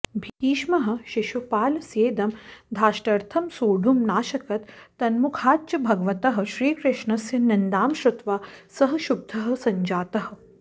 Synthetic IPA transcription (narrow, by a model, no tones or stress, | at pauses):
bʱit̪iːʃmɐɦɐ̆ʃiʃupaːlɐsjeːd̪ɐmd̪ʱaːʃʈɐɾt̪ʰɐmsoːɖʱumnaːʃɐkɐt̪ːɐnmukʰaːt͡ʃɐbʱɐɡɐʋɐt̪ɐɦɐ̆ʃɾiːkɾɪʂɳɐsjɐnɐnd̪aːmʃɾʊt̪ʋaːsɐɦɐ̆ʃub̚d̪ʱɐɦɐ̆sɐɲd͡ʒaːt̪ɐɦɐ̆